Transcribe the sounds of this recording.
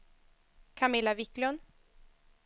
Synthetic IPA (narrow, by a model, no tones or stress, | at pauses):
kʰamɪlːavɪklɔn